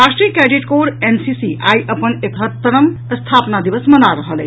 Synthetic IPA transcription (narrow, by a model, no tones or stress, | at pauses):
ɾasʈɾijəkɾeɖiʈkoɽensisiʔa̰jʔəpənekʰət̪ːəɾəmst̪ʰapnad̪iʋəsmənaɾəɦəlḛ